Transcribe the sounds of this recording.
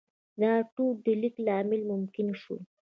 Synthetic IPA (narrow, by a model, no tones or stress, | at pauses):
naʈud̪əliklaːmɪlmʊmkɪnʃṵ